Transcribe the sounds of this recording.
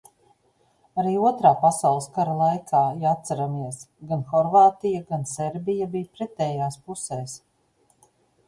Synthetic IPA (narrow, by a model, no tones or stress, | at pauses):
aɾiːuɔt̪ɾaːpasawlˠskaɾalˠajkʰaːjat̪saɾamiɛs | ɡanxɔɾvaːt̪ijaɡanseɾbijabijpɾɛt̪ɛːjaːspusɛːs